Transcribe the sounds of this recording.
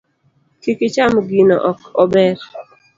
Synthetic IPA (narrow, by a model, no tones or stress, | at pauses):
kikɪt͡ʃamɡinɔ̰ʔɔkɔbɛɾ